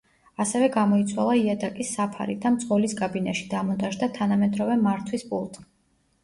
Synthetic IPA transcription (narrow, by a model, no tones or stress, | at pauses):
asɛvɛɡamɔit̪sʰwa̰lˠaiad̪akʼisːapʰa̰ɾḭd̪amt̪sʼqɔliskʼabinaʃid̪amɔnt̪ʼaʒd̪at̪ʰanamɛd̪ɾɔvɛmaɾt̪ʰwispʼṵlˠt̪ʼ